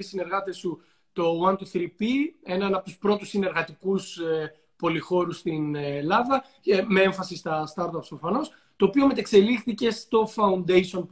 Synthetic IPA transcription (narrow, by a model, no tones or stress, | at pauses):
isine̞ɾɣɐt̪esu | t̪o̞wɐnt̪uθɾipie̞nɐnɐp̚t̪u̥spɾo̞t̪usine̞ɾɣɐt̪ikus | po̞lixo̞ɾust̪inlɐðɐ | me̞e̞ɱfɐsist̪ɐst̪ɐɾt̪ɐpsofɐno̞s | t̪o̞ːpio̞me̞t̪ekse̞lixθice̞st̪o̞fɐund̪ejsio̞np